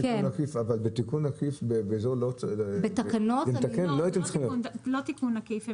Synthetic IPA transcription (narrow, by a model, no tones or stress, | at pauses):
ikenakifavalbet̪ikunakifbebeːzolobet̪akanott̪akenloajt̪emt͡sχimnlot̪ikunakif